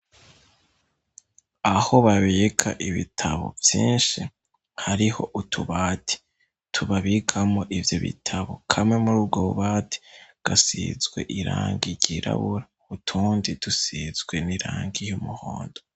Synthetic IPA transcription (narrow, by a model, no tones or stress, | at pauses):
aho̞βaβe̞ːkʰaʔiβitʰaβo̞̰vjiːnʃi | haɾiho̞̰ʔutʰuβaːtʰi̥ | tʰuβaβikʰamoʔivjo̞βḭtʰaβo̞kʰamŋe̞muɾuːb̚ɡoβuβaːtʰi̥ɡ̥asizɡwe̞̰ʔiɾaːŋɡiɾɟiɾʔa̰βuɾa | utʰuːndid̥usizɡweniɾaːŋɡijumuho̰ːndo